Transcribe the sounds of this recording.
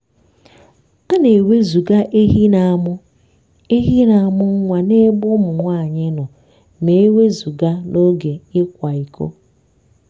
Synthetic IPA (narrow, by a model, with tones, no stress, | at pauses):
a˦ne˨we˦zu˨ɡa˦ʔe˦ɦi˦na˨mʊ˦ | e˦ɦi˦na˨a˨mʊ˦ŋ̩˦ŋʷa˨ne˦bʊ˦mʊ˨ŋʷa˦˨ɲɪ˦nʊ˨ | me˨e˦we˦zu˨ɡa˦no˦ɡe˨ɪ˦kʷa˨i˨kʰo̰˦